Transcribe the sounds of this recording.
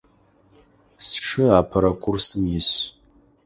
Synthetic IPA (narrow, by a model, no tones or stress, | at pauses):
sʃɪaːpʰɐɾɐkʷʰʊrsɨmjɪs